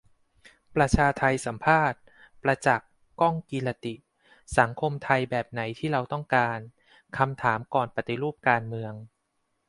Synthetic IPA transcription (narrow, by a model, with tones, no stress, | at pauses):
pɾa˧t͡ɕʰaː˧t̪ʰa˧jsa˩˦mpʰaː˥˩t̪̚ | pɾa˧t͡ɕa˨˩kː | ɔ˥˩ŋkiː˧la˧t̪i˨˩ʔ | sa˩˦ŋkʰo˧mt̪ʰa˧jbɛː˨˩p̚na˩˦jt̪ʰiː˥˩ɾa˧wt̪ɔ˥˩ŋkaː˧n | kʰa˧mt̪ʰaː˩˦mkɔː˨˩npa˨˩t̪i˨˩ɾuː˥˩p̚kaː˧nmɯ˧əŋ